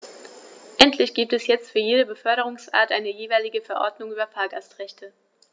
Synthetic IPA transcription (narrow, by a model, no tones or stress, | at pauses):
ʔɛntʰlɪçɡ̥iːp̚tɛsjɛt͡stfyːɐjeːɾəbəfœɐɾəʁ̞ʊŋsʔa̰ːɐtʔaɪnəjeːvaɪlɪɡəfɛɐʔɔ̰ɐdnʊŋʔyːbɐfaːɐɡastʁɛçtʰə